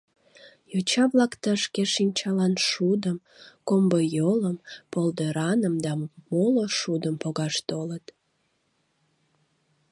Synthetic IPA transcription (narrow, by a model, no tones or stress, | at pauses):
jot͡ɕɑβlɑkt̪əʃkeʃinʲt͡ɕɑlɑnʃud̪əm | kombəjoləmpold̪əɾɑnəmd̪ɑmoloʃud̪əmpoɣɑʃt̪olət̪